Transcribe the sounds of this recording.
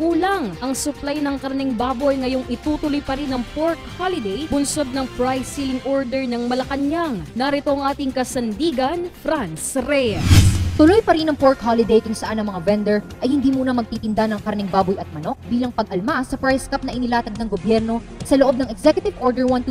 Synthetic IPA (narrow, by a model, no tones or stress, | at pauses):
ɡuːlɐŋʔɐŋsʊplajnɐŋkɐɾɐnɛŋbaːbojŋɐjoŋʔɪt̪uːt̪ʊlojpɐɾinɐŋpoɹkhalɪd̪ɛjbʊnso̞d̪̚nɐŋpɹajsilɪŋʔoɹd̪ɛɹnɐŋmɐlɐkɐnjaŋnaɾɪt̪oɐŋʔaːt̪ɪŋkɐsɐnd̪iːɡɐnfɾansɾɛ | t̪ʊlojpɐɾinɐŋpoɹkhalɪd̪ejkʊŋsɐʔanːɐŋmɐŋavɛnd̪ɛɹʔɐjhɪnd̪iːmuːnɐmɐɡ̚t̪iːt̪ɪnd̪anɐŋkɐɾɐnɛŋbaːbojʔɐt̪̚mɐno̞k̚biːlɐŋpɐɡ̚ʔɐlmasɐpɹajskap̚nɐʔɪnɪlaːt̪ɐɡ̚nɐŋɡobjɛɾno̞ | sɐloʔob̚nɐŋɛɡsɛkjʊt̪ɪvʔoɹd̪ɛɹwɐnt̪u